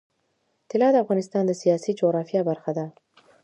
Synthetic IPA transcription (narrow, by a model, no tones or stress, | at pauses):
t̪ɪlɑd̪əafɣɑnɪst̪ɑnd̪əsijɑsid͡ʒoɣɾɑfjɑbaɾxad̪a